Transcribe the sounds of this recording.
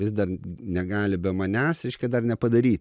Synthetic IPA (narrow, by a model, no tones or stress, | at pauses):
ʋʲɪsd̪ɐrnʲɛɡɑːlʲɪbʲɛmɐnʲæːsɾʲɛɪʃʲkʲɛd̪ɐrnʲɛpɐd̪ɐɾʲiːt̪ʲ